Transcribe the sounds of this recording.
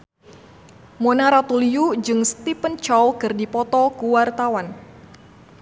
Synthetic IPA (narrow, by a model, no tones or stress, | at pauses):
monaɾat̪uliud͡ʒɨŋst̪ipənt͡ʃɔwkɨrdipɔt̪ɔkuwart̪awan